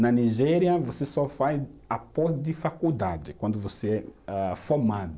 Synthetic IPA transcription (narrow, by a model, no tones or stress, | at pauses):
nɐniʒɛɾiɐvosesɔfajzapɔzd̪ɪfakud̪ad͡ʒɪkwɐ̃nd̪ʊvoseɛafomad̪ʊ